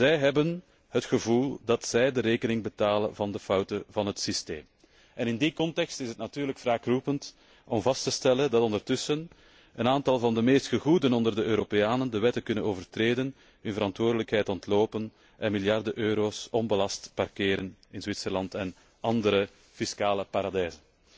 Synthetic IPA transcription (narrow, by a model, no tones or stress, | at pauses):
zɛjɦɛbən | ɦətxəvulˠdɑtsɛjdəɾeːkənɪŋbətaːlə̰nvɑndəfɑwtəvɑnɦətsistḛːm | ɛnɪndikɔntɛkstɪsɦətnatyːrləkfraːkrupənt | ʔɔmvɑstəstɛləndɑtɔndərtʏsən | ənaːntɑlˠvɑndəmeːstxəɣuːdənɔndərdəøːɾopejaːnəndəʋɛtəkʏnənoːvərtreːdən | ɦɵnvəɾɑntwoːrdələkɦɛjtɔntloːpən | ʔɛnmɪljɑrdəʔøːɾoːsɔnbəlɑstparkeːɾənɪnzwɪtsəlɑntɛn | ʔɑndəɾə | fiskaːləpaɾɑdɛjzən